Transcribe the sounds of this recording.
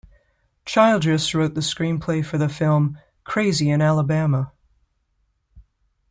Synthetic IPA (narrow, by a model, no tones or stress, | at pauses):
t͡ʃʰaɪlˠdɹɨsɹoʊt̪̚ðɨskɹĩnpʰl̥eɪfə˞ðɨfɪlˠm | kʰɹ̥eɪziɨ̃nælˠəbæmə